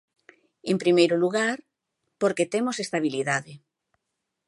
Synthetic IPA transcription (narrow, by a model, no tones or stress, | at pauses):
empɾimejɾoluɣaɾ | poɾket̪emosest̪aβ̞iliðaðe